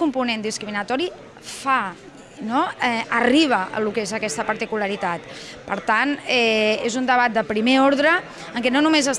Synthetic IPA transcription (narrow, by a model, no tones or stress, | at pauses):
umpunend̪iskɾiminət̪ɔɾi | fa | noɛəriβ̞əə̰lukezəkɛst̪əpəɾt̪ikuləɾit̪at̪pəɾt̪anɛezund̪əβ̞at̪̚d̪əpɾimeoɾðɾə | əŋkɛnonumezəs